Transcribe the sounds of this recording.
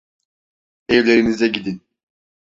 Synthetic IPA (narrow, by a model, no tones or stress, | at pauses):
evlʲeɾinizɛɟid̪in